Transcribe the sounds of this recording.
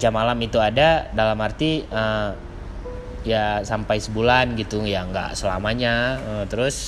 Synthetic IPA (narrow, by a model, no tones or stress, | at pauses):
d͡ʒamalamit̪uadadalamhart̪iə | jasampajsəbulanɡit̪ujaŋɡa̰ʔsəla̰maɲaət̪əɾʊs